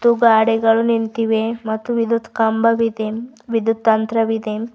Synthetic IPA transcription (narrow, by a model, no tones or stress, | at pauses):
t̪uɡaɽeɡɐɭunint̪iʋemɐt̪ːuʋid̪ud̪kambɐʋid̪eʋid̪ut̪̚t̪ɐnt̪ɾɐʋid̪e